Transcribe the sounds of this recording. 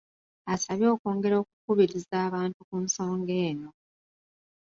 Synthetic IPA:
asaβjo̞ːko̞ːŋɡe̞ɾo̞ːk̚ukuβiɾizaːβaːntukunso̞ːŋɡeːno̞

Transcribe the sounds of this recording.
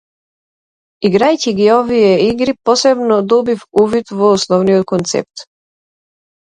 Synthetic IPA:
iɡɾajciɡiɔvijɛiɡɾipɔsɛbnɔd̪ɔbifuvit̪vɔːsnɔvnijɔt̪̚kɔnt̪sɛ̰p̚t̪

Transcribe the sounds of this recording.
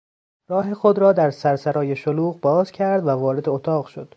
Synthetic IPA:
rɒːɦe̞xo̞d̪ɾɒːd̪æɾsæɾsæɾɒːjeʃoluːɣbɒːzcʰæɾd̪vævɒːɾe̞d̪eot̪ʰɒːɣʃod̪̥

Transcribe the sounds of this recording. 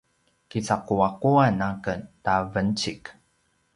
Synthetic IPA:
kit͡saquaquanakəntavənt͡ɕik

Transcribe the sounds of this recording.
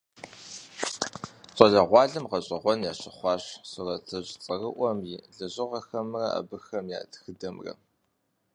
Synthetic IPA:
ɕʼɐɮɐʁʷɑːɮɐmqɐɕʼɐʁʷɔnjaːɕɪχʷɑːɕsɨrɐt͡sʰɐʑt͡sʼɐrɨʔʷɔmjɪɮɨʑɪʁɐxɐmrɐa̰bɨxɐmja̰ːdxɨdɐmrɐ̰

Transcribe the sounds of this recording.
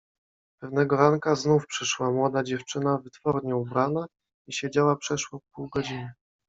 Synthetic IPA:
pɛvnɛɡɔɾaŋkaznufpʂɘʂwamwɔd̪ad͡ʑɛft͡ʂɘnavɘt̪fɔɾɲɛubɾana | iɕed͡ʑawapʂɛʂwɔfpuwɡɔd͡ʑinɘ

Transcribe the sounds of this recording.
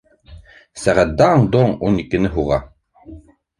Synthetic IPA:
sæʁæt̪̚d̪æɴd̪oŋunikɘ̆nɘɦuʁɑ

